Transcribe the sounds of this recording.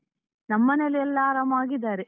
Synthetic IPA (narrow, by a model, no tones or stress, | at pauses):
nɐmːɐnɐliɛlːaːɾɐmaːɡid̪aːɾe